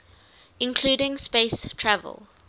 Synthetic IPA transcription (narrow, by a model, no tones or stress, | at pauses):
ɪ̃nkʰl̥uːdɪ̃ŋspeɪstʰɹævə̰lˠ